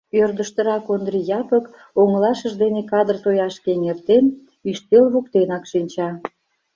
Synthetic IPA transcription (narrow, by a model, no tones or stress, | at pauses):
ørd̪əʃt̪ə̆ɾɑkond̪rijɑpək | oŋəlɑʃəʒd̪enekɑd̪ərt̪ojɑʃkeŋert̪en | yʃt̪elβukt̪enɑkʃinʲt͡ɕɑ